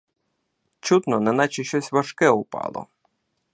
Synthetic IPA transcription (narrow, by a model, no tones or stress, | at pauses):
t͡ʃut̪nɔnɛnɑt͡ʃiʃɔsʲʋɐʃkɛʊpɑ̰lˠɔ̰